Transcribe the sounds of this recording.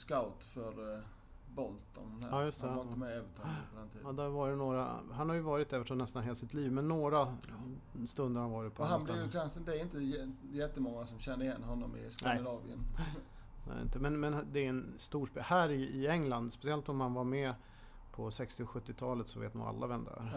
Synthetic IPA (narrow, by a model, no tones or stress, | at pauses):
skaʊt̪fœɾ | bɔlt̪ɔ̰nɛhæ̰ɾjɵst̪ənt̪əmɛɛːvət̪ʰɑpʰɔd̪ɛnt̪ʰḭːdɑd̪æɾvɑːɾjənoːɾa̰ɦanhaɾjɵvɑːɾɪt̪ːɛːvəʂɔnɛst̪anɦeːlasɪt̪liːvmɛnːoːɾa | st̪ɵnd̪əɾhanvɑːɾɪt̪pʰɔhasblɪɾjkʰansənd̪ɛɾɪnt̪ə | jɛt̪ːəmɔŋːasɔmɕɛnːəɾɪjɛnːɦɔnːɔmɪ̰sk̪aæd̪ɪnɑːvɪə̰n | nɛ̰ːɪ̰nt̪əmɛnmɛnd̪ɛːɛnst̪uːʂpeːhæːɾɪːɛŋːland̪spɛsɪɛlt̪ɔmhanvaɾmɛ | pʰɔsɛkst̪ɪɔɧɵt̪ːɪt̪ʰɑːlət̪sɔvḛːt̪nṵːa̰lːa̰vɛnd̪ə̰æ̰ɾ